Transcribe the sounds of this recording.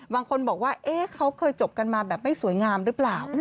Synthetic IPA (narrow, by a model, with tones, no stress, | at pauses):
baː˧ŋkʰo˧nbɔː˨˩k̚waː˥˩ʔeː˦˥˩kʰa˦˥wkʰɤː˧jt͡ɕo˨˩p̚ka˧nmaː˧bɛː˨˩p̚ma˥˩jsu˨˩˦jŋaː˧mɾɯː˦˥plaː˨˩w